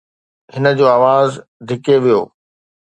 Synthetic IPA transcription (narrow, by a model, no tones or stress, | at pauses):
hɪnə̆d͡ʑoːaːʋaːzd̪ʱɪkeʋijo̰ː